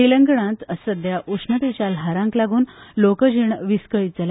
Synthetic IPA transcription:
iləŋɡəɽãt̪əsəd̪jaʔuʂnət̪et͡ɕjalɦaɾãŋklaɡuːnlokəd͡ʑiɳʋiskəid͡zəla

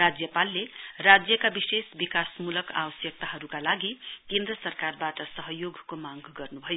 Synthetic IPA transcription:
rad͡zjʌpalːerad͡zjʌkabisesbikasmulʌka̰bʌsjʌk̚t̪aɦʌɾukalaɡikend̪ɾʌsʌrkarbaʈʌsʌɦʌjoɡkomaŋɡʌrnubʱʌjo

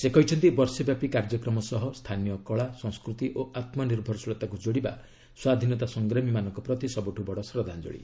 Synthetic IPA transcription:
sekɔit͡ʃʰɔnt̪ibɔɾsɔbjapikaɾd͡ʒɔkɾɔmɔsɔɦɔst̪ʰanijɔkɔɭasɔ̃ŋskɾut̪iʔoʔat̪mɔniɾbʱɔɾsuɭɔt̪akud͡ʒoɽiba̰ | swad̪ʱinɔt̪asɔŋɡɾɔmimanɔŋkɔpɾɔt̪isɔbuʈʰubɔɽɔsɾɔd̪ʱand͡ʒo̰ɽḭ

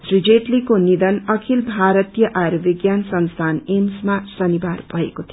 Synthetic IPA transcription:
srid͡zeʈlikonid̪ʌnʌkʰilbʱaɾʌt̪ijʌʔaɾbiɡjansʌnst̪ʰanemsmasʌnibarbʱʌɦekot̪ʰi

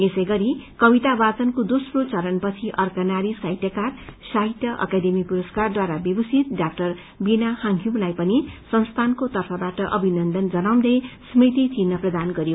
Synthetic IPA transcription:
esʌjɡʌɾikʌbit̪abat͡sʌnkod̪osrot͡sʌɾʌnpʌt͡sʰiʔʌrkanaɾisaɦjt̪jʌkarsaɦit̪jʌʔʌ̰kad̪emipuɾʌskard̪waɾabjʌbʌsʰit̪̚ɖak̚ʈʌr | binahaŋkʰimlajpʌnisʌnst̪ʰankot̪ʌrpʰʌbaʈʌʔʌbʱinʌnd̪ʌnd͡zʌnaw̃nd̪ʌjsmit̪it͡sinːʌprʌd̪anɡʌɾjo

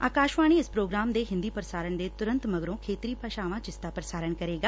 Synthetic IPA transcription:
aːkaːʃʋaːɽ̃iɪspɾoːɡɾaːmd̪eːɦɪ̃nd̪ipəɾəsaːɾəɽ̃d̪eːt̪ʊɾə̃nt̪mɐɡɾõːkʰeːt̪ɾipʰɐʃaːʋãt͡ʃɪst̪apɾəsaːɾəɳkɐɾeːɡaː

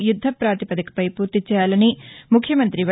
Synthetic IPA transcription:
jud̪ʱːɐpɾaːt̪ipɐd̪ɐkɐ̥pɐjpuːɾt̪it͡ʃɛːjaːlɐnimukʰjɐmɐnt̪ɾiʋɐ

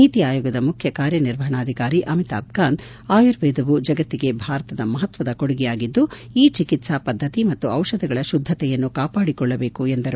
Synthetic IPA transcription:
iːt̪iaːjɔːɡɐd̪ɐmukʰjɐkaːɾjɐniɾʋɐɦɐɳaːd̪ʱikaːɾiʔɐmit̪a̰ːb̚ɡaːnd̪ | aːjuɾʋɛːd̪ɐʋud͡ʒɐɡɐt̪ːiɡe̞bʱaːɾɐt̪ɐd̪ɐmɐɦɐt̪ʋɐd̪ɐkoɽiɡɛjaːɡid̪ːuiːt͡ʃikit̪sɐpɐd̪ʱːɐt̪imɐt̪ːuɐwʃɐd̪ʱɐɡɐɭɐʃud̪ʱːɐt̪ɛjɐnːukaːpaːɽikɔɭːɐbe̞ːkuend̪ɐɾu

